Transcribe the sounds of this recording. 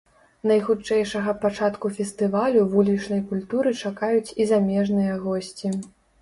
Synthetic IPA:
nɐjxut͡ʂɛjʂɐɣɐpat͡ʂat̪kufʲɛst̪ɨvalʲuvulʲit͡ʂnɐjkulʲt̪uɾɨt͡ʂakajut͡sʲizamʲɛʐnɨjɐɣɔsʲt͡sʲi

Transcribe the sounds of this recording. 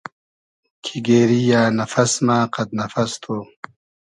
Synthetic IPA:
kʰiɡeːɾijaːnɐfɐsmaːqɐt̪̚nɐfɐst̪ʰoː

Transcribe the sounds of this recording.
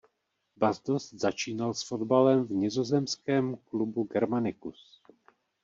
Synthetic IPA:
bazd̪ost̪z̥at͡ʃiːnalsfodbalɛmvɲɪzo̞zɛmskɛːmklubuɡɛɾmanɪkus

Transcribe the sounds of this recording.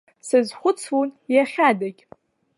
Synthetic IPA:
sɨzχʷʊt͡sʰwunjaχʲadakʲʼ

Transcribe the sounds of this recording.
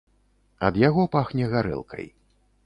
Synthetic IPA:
ɐd̪jaɣɔpaxnʲɛɣaɾɛ̰lˠkʰɐ̰j

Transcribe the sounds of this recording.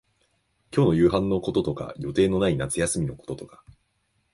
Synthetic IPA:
kʲo̞ːno̞jɯ̟ːɦãnːo̞ko̞t̪o̞t̪o̞ka̰jo̞t̪e̞ːno̞nainat͡sɨjasɨmʲino̞ko̞̥t̪o̞t̪o̞kḁ

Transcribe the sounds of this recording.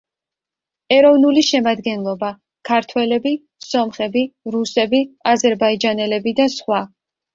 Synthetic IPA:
ɛɾɔvnuliʃɛmad̪ɡɛnlˠɔba | kʰaɾt̪ʰwɛlɛbi | sɔmχɛbiɾusɛbiazɛɾbaid͡ʒanɛlɛbid̪asχwa

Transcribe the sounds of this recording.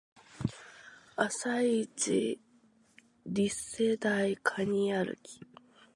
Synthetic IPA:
asait͡ɕḭ | ɾʲised̪aikʰaɲ̟iaɾɯ̰kʲi̥

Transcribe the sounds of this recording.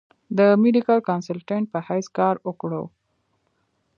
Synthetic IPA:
d̪əmeɖikalkɑnsalʈeɳʈ̚pəhajskɑɾʊkɽo̰w

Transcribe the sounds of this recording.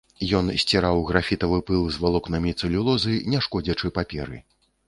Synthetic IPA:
jɔnsʲt͡sʲiɾawɣɾafʲit̪ɐvɨpɨlˠzvalˠɔknɐmʲit̪sɨlʲulˠɔzɨnʲɛʂkɔd͡zʲɐt͡ʂɨpapʲɛɾɨ̰

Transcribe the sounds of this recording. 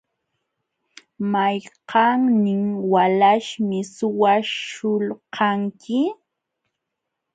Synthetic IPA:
majqɑŋnɪŋwalaʃmɪsʊwaʃʊlqʰɑŋkɪ

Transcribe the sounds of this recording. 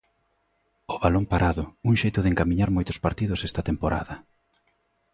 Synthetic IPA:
ʊβalompaɾʔaðʊuŋʃejt̪ʊðeŋkamĩɲaɾmojt̪ʊ̥spaɾt̪iðʊsɛst̪ɐt̪empoɾa̰ðɐ

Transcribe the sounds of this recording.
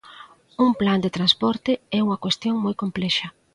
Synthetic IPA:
uŋpland̪et̪ɾanspɔɾt̪ɪɛuŋɐkwest̪joŋmɔjkomplɛʃɐ

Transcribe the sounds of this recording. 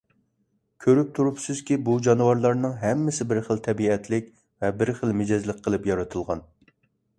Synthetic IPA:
kʲʰøɾyp̚t̪ʰuɾupsɪz̥kʲibud͡ʒɑnɨwɑɾlˠɑɾnɨŋɦɛmːɪsɪbɪɾχəlt̪ʰɛbiɛt̪ʰlɪk̚ʲ | vɛbɪɾχəlˠmɪd͡ʒɛzlˠəqʲqʰːəlˠɨpjɑɾɨt̪ʰɨlˠʁɑn

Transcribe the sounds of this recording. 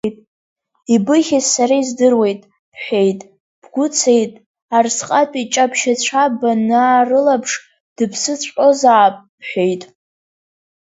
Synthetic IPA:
tʼ | ibɨχʲazsaɾaizdɨrwe̞jtʼ | ħʷᶣe̞jtʼ | b̥ɡʷʊt͡sʰe̞jtʼ | arsqʼapʼit͡ʃʼapʃat͡ɕʷʰabanaːrɨlapʰʂ | d̥ɨpʰsɨt͡sʷʰʼqʼo̞zaːpʼ | ħʷᶣe̞jtʼ

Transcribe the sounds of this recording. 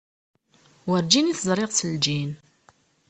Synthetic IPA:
wəɾd͡ʒiniθəzˤɾˤeʁsəld͡ʒin

